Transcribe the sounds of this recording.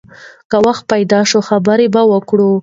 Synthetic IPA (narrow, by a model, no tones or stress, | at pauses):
kəwaxt̪̚pajd̪ɑʃoxabəɾebawəkɽu